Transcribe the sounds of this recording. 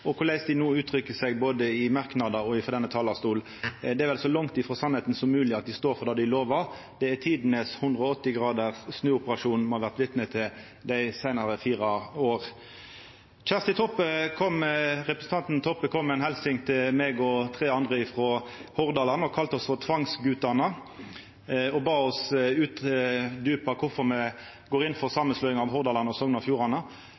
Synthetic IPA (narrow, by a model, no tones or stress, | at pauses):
ɔkʰʊʁlæɪsd̪ɪnuːʉːt̪ʰɾʏkːəsɛɡboːd̪əɪmɑʁknɑd̪ɑɔɪfɔd̪ɛnːət̪ʰɑːlɑst̪uːl | d̪ɛæɾʋɛlsɔlɑŋt̪ɪfɾɔsɑnhɛt̪n̩sɔmːʉːlɪɑt̪̚d̪ɪst̪oːɾfɔʁd̪ɑːd̪ɪloːʋəʁ | d̪̥ɛæt̪ʰiːd̪nəshʉnd̪ʁəɔɔt̪ːɪɡʁɑːd̪əʁsnʉːʊpəʁɑʂuːnmɔhɑʋæʁt̪ʋɪt̪nət̪ʰːɪl | d̪æɪsæɪnɑʁəfiːʁɑoːʁ | c͡çæʁst̪ɪt̪ʰɔpːəkʰɔmʁɛpʁəsən̩t̪ɑnt̪nt̪ʰɔpːəkʰɔmːɛɪnhɛlsɪŋt̪ʰɪmeːɡɔt̪ʰʁeːɑnd̪ʁəɪfʁoːhɔʁd̪ɑlɑnɔkʰɑlt̪ɔsfɔʁt̪ʰʋɑŋsɡʉːt̪ɑnə | ɔbɑːɔsʉːt̪d̪ʉːpɑkʰʊfɔʁmɛ | ɡoːʁɪnfɔʁsɑːmənslœʏɪŋɑʋhɔʁd̪ɑlɑnɔsɔŋːənɑfjuːʁɑnə